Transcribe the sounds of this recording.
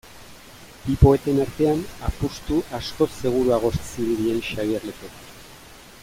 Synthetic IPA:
bipo̞e̞t̪e̞naɾt̪e̞anapust̪uʔasko̞se̞ɣ̞uɾuaɣ̞o̞ssiβiɾie̞nʃaɣiaɾlek̪ok

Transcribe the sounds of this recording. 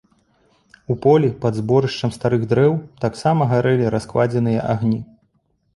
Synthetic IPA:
upɔlʲipɐd̪zbɔɾɨʂt͡ʂɐmst̪aɾɨɣd̪ɾɛwt̪aksamɐɣaɾɛlʲiɾaskvad͡zʲɛnɨjɐʔaɣnʲi

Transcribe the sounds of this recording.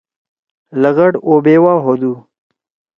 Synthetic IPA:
ləɣɐɖobeːwaːɦod̪u

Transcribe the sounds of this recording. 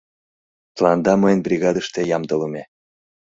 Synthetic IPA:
t̪əlɑnd̪ɑmɤjənbrʲiɣɑd̪əʃt̪ejɑmd̪ɤləmʲe

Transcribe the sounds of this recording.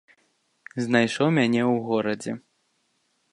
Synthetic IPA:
znajʂɔmʲanʲɛwɣɔɾɐd͡zʲɛ̰

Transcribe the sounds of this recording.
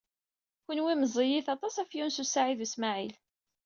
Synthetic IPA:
kʷənwiməzˤijiθɑt̪ˤɑsæfjunsusaʕiðusmaʕil

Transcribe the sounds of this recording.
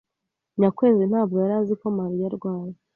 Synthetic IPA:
ɲakwe̞ːzin̥haːb̚ɡojaɾazikomaɾijaɾɡwaːje

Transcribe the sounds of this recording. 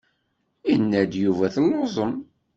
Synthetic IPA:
inːæd̪juvæθəlːozˤəm

